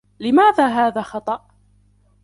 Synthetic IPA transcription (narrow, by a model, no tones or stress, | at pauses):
lɪmaːðaːɦaːðaːxɑt̪ˤɑʔ